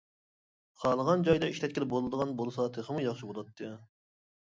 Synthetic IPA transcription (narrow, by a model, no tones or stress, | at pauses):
qʰɑːlˠəʁɑnd͡ʒɑjd̪ɑiʃlɛt̪kʲilɪbolˠɨd̪əʁɑnbolˠɨsɑt̪ʰɨχəmujɑχʃibolˠɑt̪ʰːɨ